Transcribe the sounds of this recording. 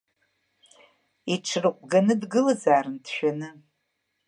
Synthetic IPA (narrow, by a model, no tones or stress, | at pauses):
iʈ͡ʂʰɨrɨqʷʼɡanɨdɡɨlɨzaːrɨntʰʃᶣanɨ